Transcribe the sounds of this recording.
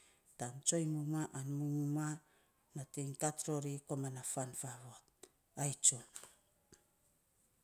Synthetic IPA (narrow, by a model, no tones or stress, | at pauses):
tant͡ʃo̞jmumaʔanmumuma | natiŋtatɾoɾikomanafanfaβot̚ | ajt͡ʃo